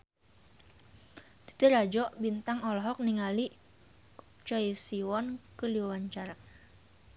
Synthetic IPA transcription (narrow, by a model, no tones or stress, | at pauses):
t̪i̥t̪iɾad͡ʒɔʔbint̪aŋɔlɔɦɔk̚niŋali | t͡ʃɔjsiwɔnkəliwawaɲt͡ʃaɾa